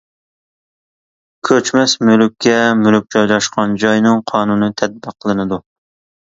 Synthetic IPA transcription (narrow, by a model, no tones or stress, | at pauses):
kʲʰøt͡ʃmɛsmylykʲʰːɛmylk̚ʲt͡ʃʰɑjlˠɑʃqʰɑnd͡ʒɑjnɨŋqʰɑːnunɨt̪ʰɛd̪̚bəqʰːəlˠɨnɨd̪u